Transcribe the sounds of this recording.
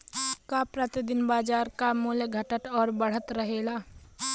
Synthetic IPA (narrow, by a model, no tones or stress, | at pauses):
kapɾət̪ɪd̪ɪnbaːd͡ʒaːɾkamuːljəɡʱəʈəʈɔːɾbəɽ̤ət̪ɾəɦeːlaː